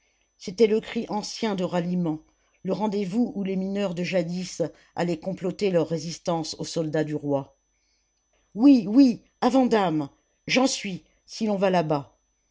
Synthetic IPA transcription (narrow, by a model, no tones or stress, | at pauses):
set̪ɛləkχiʔɑ̃sjɛ̃d̪əʁalimɑ̃ | ləʁɑ̃d̪evuʔuleminœʁd̪əʒad̪is | a̰lɛkɔ̃plɔt̪elœʁːezist̪ɑ̃sosɔld̪ad̪yʁwa | wiwi | avɑ̃d̪am | ʒɑ̃sɥi | silɔ̃valaba